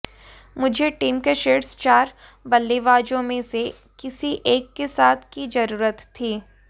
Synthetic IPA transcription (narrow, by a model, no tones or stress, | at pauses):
mʊd͡ʒʱeʈiːmkeʃeːʈst͡ʃaːɾ | bɐlːiʋaːd͡ʒõmẽse | kɪsiʔeːkːesaːt̪ʰkid͡ʒɐɾuːɾət̪ʰːiː